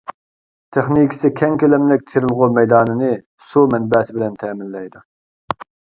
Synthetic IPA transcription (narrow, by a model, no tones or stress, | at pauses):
t̪ʰeχnikʲi̥sɪkʲʰɛŋkʲʰølɛmlɪk̚ʲt̪ʰeɾɪlˠʁʊmɛjd̪ɑːnɨnɨ | sumɛnbɛːsɪbɪlɛnt̪ʰɛːmɪlːɛjd̪u